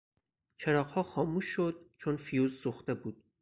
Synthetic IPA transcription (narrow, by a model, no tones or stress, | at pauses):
t͡ʃʰeɾɒːqhɒːxɒːmuːʃːod̪̥̚t͡ʃʰonfijuːzsuxt̪e̞buːd̪̥̚